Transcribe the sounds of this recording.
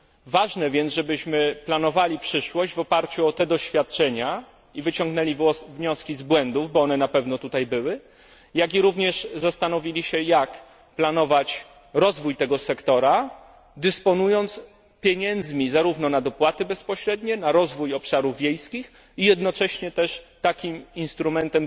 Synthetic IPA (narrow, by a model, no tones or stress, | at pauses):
vaʐnɛvʲjɛnʐɛbɘɕmɘplanɔvalʲipʂɘʂwɔʑd͡ʑvɔpaɾt͡ɕuɔt̪ɛd̪ɔɕfʲjat̪̚t͡ʂɛɲa | ivɘt͡ɕɔŋɡnɛlʲivɲɔskʲizbwɛnd̪uvbɔɔnɛnapɛvnɔt̪ut̪ajbɘwɘ | jaɡʲiɾuvɲɛʂzast̪anɔvʲilʲiɕɛjak | planɔvat͡ɕ | ɾɔzvujt̪ɛɡɔsɛkt̪ɔɾa | d̪ɨspɔnujɔnt̪s | pʲjeɲɛnd̪zmʲizaɾuvnɔnad̪ɔpwat̪ɘbɛspɔɕɾɛd̪ɲɛnaɾɔzvujɔpʂaɾuvːʲjejskʲix | ijɛd̪nɔt͡ʂɛɕɲɛt̪ɛʂt̪akʲiminst̪ɾumɛnt̪ɛm